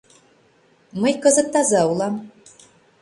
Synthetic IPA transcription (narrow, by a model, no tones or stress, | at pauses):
məjkɤ̆zɤ̆t̪ːɑzɑulˠɑm